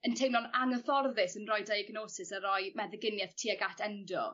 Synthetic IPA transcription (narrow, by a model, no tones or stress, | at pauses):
əntʰejnɔnaŋəθɔrðɪsənrɔjdajəɡnoːsɪsəɾɔjmɛðəɡɪnjɛθtʰiːaɡatʰɛndɔ̰